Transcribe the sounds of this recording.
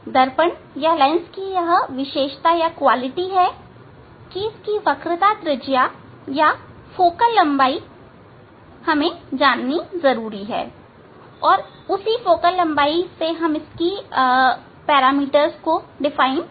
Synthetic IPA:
d̪ɐɾpəɳ | jalaɪnskijɐɦʋɪʃeːʃt̪ajakwaːlɪʈiɦɛː | kiɪskiʋɐkɾɪt̪at̪ɾɪd͡ʒja | ja | foːkəlːɐ̃mbaːi | hɐmẽd͡ʒaːnːizɐɾuːɾiɦɛ̰ː | ɔːɾ | ʊsifoːkəlːɐ̃mbaːiseɦɐmɪski | pɛːɾaːmiːʈəɾzkoɖɪfaːɪn

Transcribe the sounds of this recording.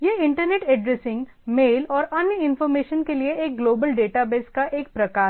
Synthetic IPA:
jeːɪ̃ɳʈəɾneːʈɛɖɾesɪ̃ŋɡ | meːlɔːɾɐnjəɪ̃nfɔːɾmeːʃənkelieeːk̚ɡloːbəlɖeːʈabeːskaʔeːk̚pɾɐkaː

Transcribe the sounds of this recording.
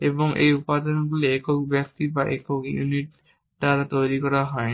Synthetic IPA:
ebɔŋʔḛjupad̪ɔnɡuleːkokbjak̚t̪ibaʔekokjṵniʈː | at̪ojɹikɔɹaɦɔ

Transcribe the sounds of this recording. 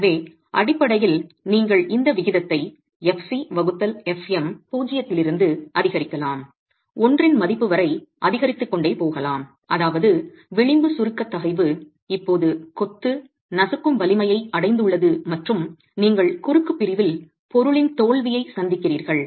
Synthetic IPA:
ʋeː | ʔɐɽɪpːɐɽɐjɪlniːŋɡɐɭɪnd̪ɐʋɪɣɪðɐt̪ːɐɪ | ɛfsiʋɐɣɯt̪ːɐlɛfɛmpuːd͡ʒɪjɐt̪ːɪlɪɾɯnd̪ɯʔɐðɪɣɐɾɪkːɐlaːm | ɔndrɪnmɐðɪpːɯʋɐɾɐɪʔɐðɪɣɐɾɪt̪ːɯkːɔɳɖeːpoːɣɐlaːm | ʔɐðaːʋɐðɯ | ʋɪɭɪmbɯsʊɾɯkːɐt̪ːɐɣɐɪʋɯ | ɪpːoːðɯkɔt̪ːɯ | nɐsɯkːɯmbɐlɪmɐjɐɪɐɽɐɪnd̪ɯɭːɐðɯmɐʈrɯm | niːŋɡɐɭkʊɾɯkːɯpːɪɾɪʋɪl | pɔɾɯɭɪnt̪oːɭʋɪjɐɪsɐnd̪ɪkːɪriːɾɣɐɭ

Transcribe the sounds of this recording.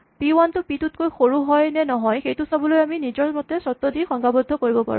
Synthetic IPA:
piwantʊpitut̚kojxoɹuɦɔjnɛnɔɦɔjxejtʊsabɔlojaminizɔɹmɔtɛsɔtːɔdixɔŋɡabɔdʱːɔkoɹibɔpa̰ɹṵ̃

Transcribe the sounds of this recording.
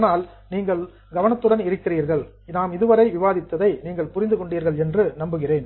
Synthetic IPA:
naːl | niːŋɡɐɭ | ɡɐʋɐnɐt̪ːɯɽɐnɪɾɯkːɪriːɾɣɐɭ | naːmɪðɯʋɐɾɐɪʋɪʋaːðɪt̪ːɐðɐɪniːŋɡɐɭpʊɾɪnd̪ɯkɔɳɖiːɾɣɐɭɛndrɯnɐmbɯɣɪreːn

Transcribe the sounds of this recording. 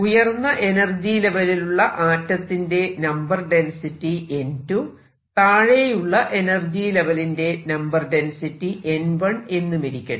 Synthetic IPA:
ujɐrnːɐʔe̞nɐrd͡ʑile̞ʋɐliluɭːɐʔaːtːɐt̪ːinde̞nɐmbɐrɖe̞nsitːiʔe̞ntu | t̪aːɻejuɭːɐʔe̞nɐrd͡ʑileʋɐlinde̞nɐmbɐrɖe̞nsitːiʔe̞nʋɐɳe̞nːumiɾikʲːɐɳɨ

